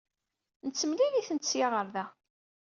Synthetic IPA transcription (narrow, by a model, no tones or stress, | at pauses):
nət͡sːəmliðiθənt̪sjaʁəɾðæ